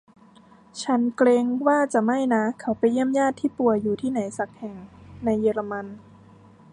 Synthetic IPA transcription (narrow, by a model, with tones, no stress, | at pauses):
t͡ɕʰa˦˥nkleː˧ŋwaː˥˩t͡ɕa˨˩ma˥˩jna˦˥kʰa˦˥wpa˧jːi˥˩əmjaː˥˩t̪ʰːiː˥˩pu˨˩əjuː˨˩t̪ʰiː˥˩na˩˦jsa˨˩k̚hɛ˨˩ŋna˧jːeː˧la˧ma˧n